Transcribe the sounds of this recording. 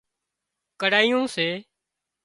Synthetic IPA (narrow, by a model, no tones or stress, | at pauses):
kəɽaːijõːseː